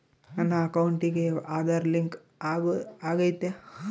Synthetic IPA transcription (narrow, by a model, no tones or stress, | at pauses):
ɐnːaɐkɐwuɳʈikeaːd̪ʱaɾliŋk | aːɡaːɡɐjt̪e